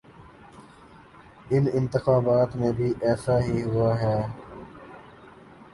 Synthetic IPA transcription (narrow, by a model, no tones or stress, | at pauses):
ɪnɪ̃nt̪ɪxaːbaːt̪mẽbʱiːʔɛːsaɦiɦʊaɦɛː